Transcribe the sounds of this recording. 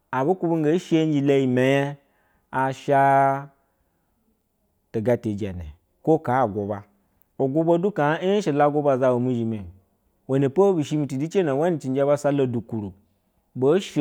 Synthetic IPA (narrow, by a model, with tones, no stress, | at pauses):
a˨bo˦ku˦bu˦ŋ˦ɡe˨˦ʃe˦n˦d͡ʒi˧la˧ji˨mʲe˨ja˦ | a˨ʃa˦ | to˨ɡa˧te˨d͡ʒa̰˨nḛ˨ | ko˦ka˨˦˨ɡʷo˨ba˦ | o˨ɡʷo˦bo˦du˦ka˨˦ʃe˨la˦ɡo˦ba˧za˧wo˨mi˦ʒi˨me˨ | wo˨ne˨po˦bi˨ʃi˧mi˧ti˨di˦t͡ʃe˦na˨˦wa˦ni˨t͡ʃi˨n˦d͡ʒa˦ba˦sa˦lo˧du˨ku˨ɾu˨ | bo˨˦ʃ